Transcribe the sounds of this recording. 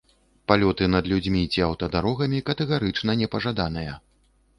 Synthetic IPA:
palʲɔt̪ɨnɐd̪lʲud͡zʲmʲit͡sʲiawt̪ɐd̪aɾɔɣɐmʲikɐt̪ɛɣaɾɨt͡ʂnɐnʲɛpɐʐad̪an̪ɨjɐ

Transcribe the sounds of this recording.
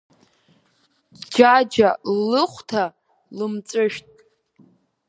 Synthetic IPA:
d͡ʒad͡ʒalːɨχʷtʰa | lɨmt͡sʷʼɨʃᶣtʼ

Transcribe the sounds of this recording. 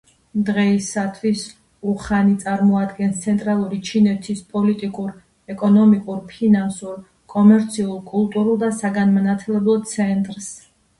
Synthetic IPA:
md̪ʁɛisat̪ʰwis | uχanit̪sʼaɾmɔad̪ɡɛnst̪sʰɛnt̪ʼɾalˠuɾit͡ʃʰinɛt̪ʰispʼɔlit̪ʼikʼuɾ | ɛkʼɔnɔmikʼuɾpʰinansuɾ | kʼɔmɛɾt̪sʰiulˠkʼulˠt̪ʼuɾulˠd̪asaɡanmanat̪ʰɛlɛblˠɔt̪sʰɛnt̪ʼɾs

